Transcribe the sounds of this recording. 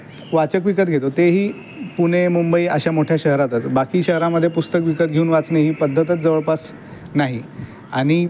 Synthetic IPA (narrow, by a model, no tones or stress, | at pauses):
ʋat͡səkʋikət̪̚ɡʱet̪ot̪eɦiː | puɽ̃emumbəiːə̰ɕamoʈʰjaɕəɦɾat̪ət͡sbakiːɕəɦɾaməd̪ʱːjepust̪əkʋikət̪̚ɡʱeuːnʋat͡sneɦiːpəd̪ʱːət̪ət͡sd͡zəʋəɭpas | naɦi | aɽ̃i